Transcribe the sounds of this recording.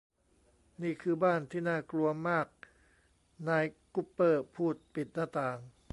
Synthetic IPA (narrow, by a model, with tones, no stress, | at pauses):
niː˥˩kʰɯː˧baː˥˩nt̪ʰiː˥˩naː˥˩klu˧ɐmaː˥˩k̚ | naː˧jku˧˥pːɤː˥˩pʰuː˥˩t̪̚pi˨˩t̪̚naː˥˩t̪aː˧ŋ